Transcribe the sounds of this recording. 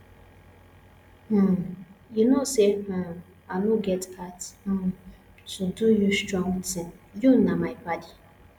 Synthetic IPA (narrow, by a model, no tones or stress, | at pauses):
junoseã | aluɡɛtkʰat̩ | tudujustɹɔ̃ŋtɪ̃ŋjunamaɪbadi